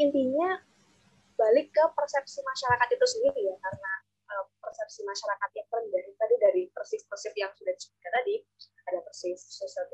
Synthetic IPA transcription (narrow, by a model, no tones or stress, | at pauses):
int̪iɲa | balɪkːəpərsɛp̚simaʃaɾakat̪it̪usiŋit̪ujakaɾəna | ʔəpərsɛp̚simaʃaɾakat̪̚jaŋpəndaɾɪt̪adidaɾipərsɪfpərsɪfjaŋsudahdisəbut̪̚kant̪adi | adapərsɪfsəsət̪